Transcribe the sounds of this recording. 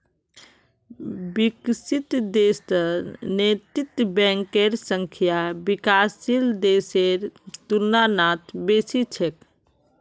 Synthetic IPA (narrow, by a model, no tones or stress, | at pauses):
biksit̪d̪eːst̪ənet̪it̪bɛ̃ŋkeɾsə̃ŋkʰijabikaːsild̪eːseɾt̪uɾnanat̪beːsit͡ʃʰek